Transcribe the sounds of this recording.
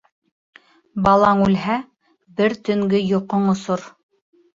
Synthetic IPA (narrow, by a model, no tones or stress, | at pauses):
bɑlˠɑŋʉlɦæ | bɘɾt̪ɵ̆ŋɡɘjŏqoɴŏsoɾ